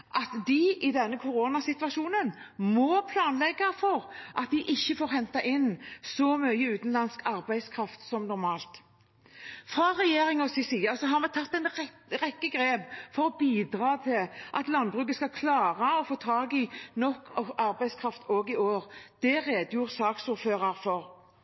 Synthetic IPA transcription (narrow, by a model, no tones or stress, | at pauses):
ʔɑt̪d̪ɪʔɪd̪ɛnːəkʰʊɾoːnɑsɪt̪ʋɑʃuːnən | mɔpʰlɑːnlɛɡːɑfɔʁʔɑt̪̚d̪ɪʔɪçːəfoːɾhɛnt̪ɑʔɪnːsɔmœʏəʉːt̪n̩lɑnskɑʁbæɪskʰɾɑft̪sɔmnɔɾmɑːlt̪ | fʁɑʁɛjeːʁɪŋɔsɪsiːɑsɔɦɑɾmɛt̪ʰɑt̪ːɛn | ʁɛkːəɡɾeːpfɔɾɔbiːd̪ɾɑːt̪ʰɪlʔɑt̪lɑnbʁʉːk̬əskɑkʰlɑːʁəɔfoːt̪ʰɾɑːɡɪnɔkːɔɑɾbæɪskʰɾɑft̪ʰoːɡɪoːʁd̪̥ɛʁeːd̪jʊʁsɑːksuːʁføːʁɑʁfɔʁ